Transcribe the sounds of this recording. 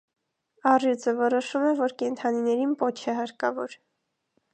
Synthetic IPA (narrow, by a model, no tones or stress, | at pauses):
ɑrjut͡səvɔɾɔʃumɛvɔɾkɛnt̪ʰɑninɛɾinpɔt͡ʃʰɛɦɑɾkɑvɔɾ